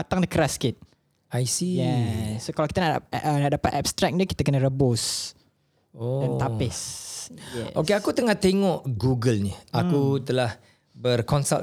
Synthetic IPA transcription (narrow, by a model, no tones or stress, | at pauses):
at̪aŋdəkəɾaskɪt̪̚ | ajsijɛsːokalawkit̪ananaʔdapat̪ɛpb̚st̪ɾɛk̚dikit̪akənəɾəbos | oɛnapɪsjɛ̰okeakut̪əŋaht̪eŋɔʔɡuɡəlniʔakut̪əlah | bərkɔnsal